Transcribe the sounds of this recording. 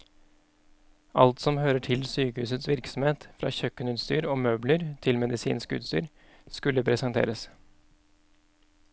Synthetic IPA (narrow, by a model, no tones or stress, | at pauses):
ʔɑ̰lt̪sɔmhøːɾəʈʰɪlsyːkəhʉːsət̪sʋɪɾksɔmheːt̪fɾɑ̰ːçœkːənʉːt̪st̪yːɾoːmøːbləɾt̪ʰɪlmɛd̪ɪsḭːnskʉ̰ːt̪st̪y̰ːɾ | skʉlːəpʰɾɛsɑnt̪ʰḛːɾəs